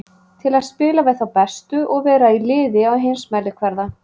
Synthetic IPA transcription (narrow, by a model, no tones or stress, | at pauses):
t̪ʰɪlaðspɪːlavɛðθawpɛst̪ʏʔɔɣvɛːɾailɪːðɪawɦejnsmɛlɪkʰvɛɾða